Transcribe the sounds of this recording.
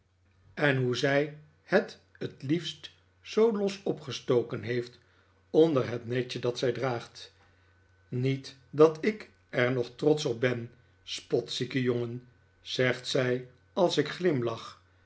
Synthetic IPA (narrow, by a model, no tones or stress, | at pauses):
ɛnɦuzɛj | hət | ətlifst | sowlɔsɔpχəstowkənɦejft | ɔndəɹɦətnɛt͡ʃədɑtsɛjdraːχt | nitdɑtɪk | ɛɹnɔχtrɔtsɔb̚bɛn | spɔtsikəjoŋən | z̥ɛχtsɛj | ɑlˠsɪkχlɪmlɑχ